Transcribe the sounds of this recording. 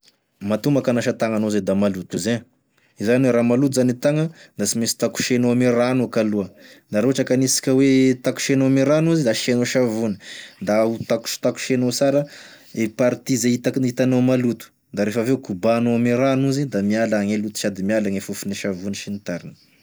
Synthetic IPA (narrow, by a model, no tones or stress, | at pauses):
mat̪umbakanaʃat̪aŋanozed̪amalut̪uze | izaniweɾamalut̪uzanit̪aŋəd̪asimesi̥t̪aku̥ʃenoamiranukaluəd̪aɾoɦaʈ͡ʂakanisi̥kʲəwet̪aku̥ʃenoamiɾanuzid̪aʃenoʃavunə̥d̪aut̪aku̥ʃt̪aku̥ʃenosaɾə | epaɾit̪izeit̪aknit̪anomalut̪u̥ | d̪aɾefaveukubanoamiɾanuzid̪amialaŋelut̪u̥ʃad̪imialaŋefufuniʃavuniʃinit̪aɾinə̥